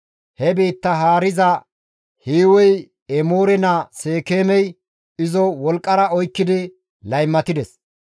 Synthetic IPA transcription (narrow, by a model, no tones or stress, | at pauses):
hɛbeːt̪ːɐɦaːɾɪzɐ | hiːwɔj | ɛmoːɾɛnɐse̞ːkeːmɛj | ɪzɔwɔlkʼːɐɾɐɔjkːɪd̪ɪ | lɐjmːɐt̪ɪd̪ɛs